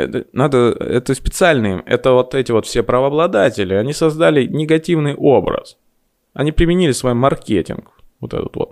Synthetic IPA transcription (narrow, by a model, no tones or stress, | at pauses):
ɛ̰t̪ənad̪əɛ̰t̪əspʲɪt̪sɨalʲnɨɪmɛ̰t̪əvo̞t̪ɛtʲɪvo̞t̪fsʲepɾəvəɐblˠɐd̪atʲɪlʲɪɐnʲisɐzd̪alʲɪnʲɪɡɐtʲivnɨjʔo̞bɾə̰s | ɐnʲipɾʲɪmʲɪnʲilʲɪsvɐjimːɐrkʲetʲɪ̰nkvot̪ɛ̰t̪ət̪vo̰t̪̚